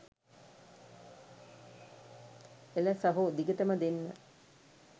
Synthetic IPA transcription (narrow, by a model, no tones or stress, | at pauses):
eləsɐɦud̪iɡəʈəməd̪enːə